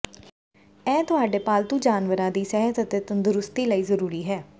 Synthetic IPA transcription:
ɛ̃ːt̪ʊɦaːɖeːpaːlt̪ũːd͡ʒaːnʋəɾãːd̪iːsɛɦət̪ət̪eːt̪ənd̪ʊɾʊst̪iːləiːzəɾuːɾiːɦɛː

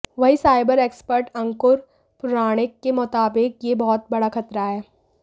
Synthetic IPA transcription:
ʋɐɦisaːɪbəɾeːkspəɾʈɐ̃ŋkʊɾ | pʊɾaːɽ̃ɪkːemʊt̪aːbɪk̚jebɔɦɔt̪̚bɐɽaxʰɐt̪ɾaɦɛː

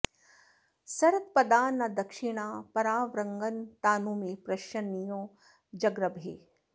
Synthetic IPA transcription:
sɐɾɐt̪̚pɐd̪aːnːɐd̪ɐkʃiɳ̃aːpɐɾaːʋɾɐŋɡɐnt̪aːnumepɾɐʃɐnːijoː | d͡ʒɐɡɾɐbʱḛː

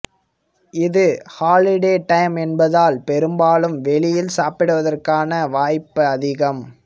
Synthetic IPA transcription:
ɪðɯhaːlɪɽeːʈɐjmɛnbɐðaːlpɛɾɯmbaːlɯmʋɛɭɪjɪlsaːpɪɽɯʋɐðɐrkaːnɐʋaːjpːɯɐðɪɣɐm

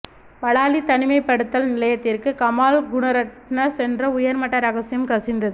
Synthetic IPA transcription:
pɐɭaːlit̪ɐnɪmɐɪpːɐɽɯt̪ːɐlnɪlɐjɐt̪ːɪrkɯkɐmaːlɡʊnɐɾɐʈnɐsɛndrɐʊjɐɾmɐʈːɐɾɐɣɐsɪjɐmkɐsɪnd̪ɐðɯ

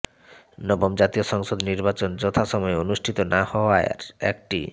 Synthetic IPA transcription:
nɔbomd͡ʑat̪ioʃɔŋʃod̪niɾbat͡ɕond͡ʑot̪ʰaʃɔmɔeonuʃʈʰit̪onahɔoaea̰ɾɛ̰k̚ʈḭ

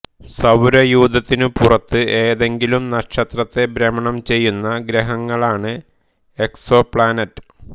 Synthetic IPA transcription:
sɐwɾɐjuːd̪ɐt̪ːinɨpurɐt̪ːɨʔe̞ːðe̞ŋɡilumnɐʂɐt̪rɐt̪ːe̞bɾɐmɐɳɐmt͡ɕe̞jːunːɐɡɾɐɦɐŋːɐɭaːɳɨ | e̞kso̞pɭaːnɐtːɨ̥

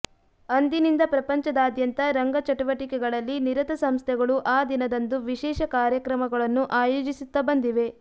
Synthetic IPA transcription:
ɐnd̪inind̪ɐpɾɐpɐɲt͡ʃɐd̪aːd̪jɐnt̪ɐɾɐŋɡɐt͡ʃɐʈuʋɐʈikɛɡɐɭɐlːiniɾɐt̪ɐsɐmst̪ʰɛɡɐɭuʔaːd̪inɐd̪ɐnd̪uʋiʃɛːʃɐkaːɾjɐkɾɐmɐɡɐɭɐnːuʔaːjoːd͡ʒisit̪ːɐbɐnd̪iʋe̞

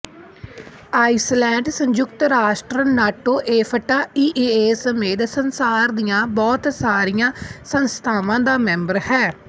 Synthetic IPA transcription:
aːɪslɛ̃ːɳɖsə̃ɲd͡ʒʊkt̪ɾaːʃʈɾənaːʈoːʔeːpʰəʈaːiːʔeːeːsəmeːd̪sənsaːɾd̪ijãːbɔːt̪saːɾɪjãːsənst̪ʰaːʋãːd̪aːmɛ̃mbəɾhɛː

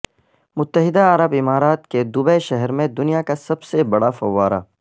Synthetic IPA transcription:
mʊt̪ːəɦɪd̪aɐɾəbɪmaːɾaːt̪ked̪ʊbɛʃɛɦɛɾmẽd̪ʊnijakasɐbsebɐɽafɐʋːaːɾa̰

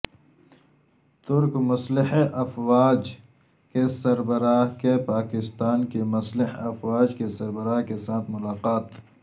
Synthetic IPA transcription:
t̪ʊɾkmɐslɪħeʔɐfwaːd͡ʒ | kesɐɾbɐɾaːɦkepaːkɪst̪aːnkemɐslɪħeɐfwaːd͡ʒkesɐɾbəɾaːɦkesaːt̪ʰmʊlaːqaːt̪

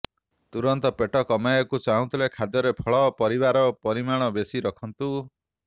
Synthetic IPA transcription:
t̪uɾɔnt̪ɔpeʈɔkɔmajɔkut͡ʃaɦɔ̃t̪ʰilekʰad̪jɔɾepʰɔɭɔpɔɾibaɾɔpɔɾimaɽ̃ɔbesiɾɔkʰɔnt̪u

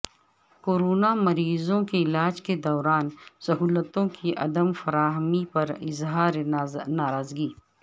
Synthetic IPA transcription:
koːɾoːnamɐɾiːzõkeɪlaːd͡ʒked̪ɔːɾaːnsɐɦuːlət̪õkiʔɐ̰d̪əmfɐɾaːɦmipɐɾɪ̰zɦaːɾnaːɾaːzɡiː

